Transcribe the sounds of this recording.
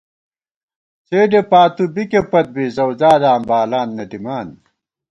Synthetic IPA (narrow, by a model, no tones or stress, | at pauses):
t͡seːɖepaːt̪ubikepɐt̪̚bizɐwzaːd̪aːmbaːlaːnːɐd̪imaːn